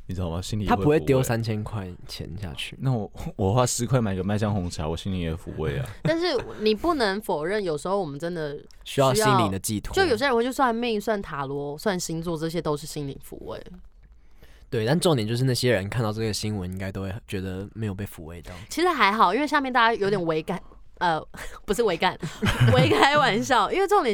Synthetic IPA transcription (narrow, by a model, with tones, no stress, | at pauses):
i˨˩ɻ̩˥d̪ɑ˥˩ma˨˩ɕi˧˥nli˨t̪ʰa˥e˧pxwe˥˩t̪jo˥ʊsa˦nt͡ɕʰjɛ˥nkʰwa˥˩ɪ | t͡ɕʰjɛ̰˧˦nɕja̰˥˧t͡ɕʰy̰˥˩na˥˩wɔ˨˩wɔ˨˩xwa˥˧˩sɹ̩˧˥kʰwa˥˩ma˨˩i˧ɡə˧ma˥˧ɪɕjɑ˥ŋxʊ˧˥ŋt͡ɕʰi˨a̰˧˦wɔ˨˩ɕi˥nli˨˥ŋjɛ˨˩fṵ˧˥wḛ˥˩ɪa̰˨˩t̪a˥˧nʂɻ̩˥˩ni˨˩pu˥˩nə˧˦˥ŋfo˨˩ʊɻə˥˩njo˨˩ʊʂ̩˧˥xo˥˩ʊwɔ˨˩mə˦nʈ͡ʂə˦˥nd̪ə˨ | ɕɕy˥jɑ˥ʊ˥ɕjɕɑi˦˥n˧li˨d̪ə˨t͡ɕi˥˨˩t̪ʰt͡ɕo˥˩jɕjɛ˥˧wt͡ɕo˥˧ʊswa˥˧nmi˥˧ŋswa˥˩nt̪ʰa˨˥lwɔ˧˥swa˥˩nɕi˥nt͡swɔ˥˧ʈ͡ʂɤ˥˩ɕ̬jɛ˥t̪o˥ʊʂɻ̩˥˩ɕi˥nlḭ˨˥ŋfṵ˧˥wḛ˥˩ɪ | t̪we˥˩ɪt̪a˥˧n̩˥ʈ͡ʂŋt̪jt͡ɕjʂɻna˥˩ɕjɛ˦ɻə˧˦nkʰa˥˧nt̪ɑ˥˧ʊʈ͡ʂɤ˥˩ɡə˩ɕi˥ŋwə˧˦ni˥ŋka˥ɪo˥ʊxwe˥˩t͡ɕɥɛ˧˥d̪ə˧me˧˥ɪjo˨˩pe˥˩fṵ˧˥we˥˧ɪt̪ɑ˥˨ʊt͡ɕʰi˧˥ʂɻ̩˧˥xa˧˥ɪxɑ˨˩ʊʔi˥nwe˥˧ɪɕja˥˧mjɛ˥˧nt̪a˥˩t͡ɕa˥jo˧˥ʊt̪jɛ˨˩n˩we˧˥ɪka˨˩˦ɪ | ə˧pu˧˥ʂɻ̩˥˩we˧˥ɪka˨˩nwe˧˥ɪkʰa˧˥ɪwa˨˩nɕ̬jɑ˥˩ʊʔi˥nwe˥˧ɪʈ͡ʂŋt̪jɛ˨˦